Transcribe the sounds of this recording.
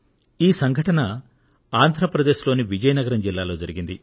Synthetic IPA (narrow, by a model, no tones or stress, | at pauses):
iːsɐŋɡʱɐʈɐnɐ | aːnd̪ʱɾɐpɾɐd̪e̞ːʃlo̞ːniʋid͡ʒɐjɐnɐɡɐɾɐmd͡ʒilːaːlo̞ːd͡ʒɐɾiɡind̪i